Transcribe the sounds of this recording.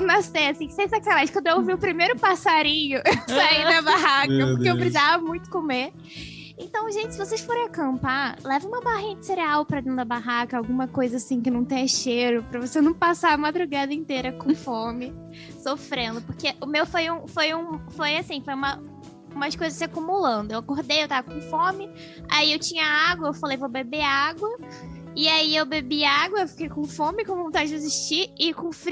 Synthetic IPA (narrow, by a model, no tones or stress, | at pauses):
nasejasĩsẽsɐkalaʃkɐ̃d̪ʊeoviʊpɾimejɾʊpasaɾĩɲʊsaid̪ɐbaɦakɐpoɾkeewbɾizavɐmũj̃t̪ʊ̥kome | ẽnt̪ɐ̃w̃ʒẽnt͡ʃɪ̥sɪvosejsfoɾẽakɐ̃mpalɛvɐ̃ũmɐbaɦĩjd̪ɪ̥seɾiawpɾɐd̪ẽnd̪ʊɐbaɦakɐawɡũmɐkojzɐasĩkɪnɐ̃w̃t̪ẽj̃ɐʃeɾʊpɾɐvosenɐ̃w̃pasaɐmad̪ɾuɡad̪ɐĩt̪eɾɐkõw̃fomɪ | sofɾẽnd̪ʊpoɾkeʔʊmewfojũfojũfojasĩfojũmɐ | ũmɐskojzɐsakumulɐ̃nd̪ʊewakoɾd̪ejewt̪avɐkõfõmɪ | a̰iewt͡ʃĩɲɐaɡwɐewfalejvobebeaɡwɐ | ɪaiewbebiaɡwɐewfi̥kejkõfõmɪkõvõt̪ad͡ʒɪd͡ʒeziʃt͡ʃiɪkõfɾi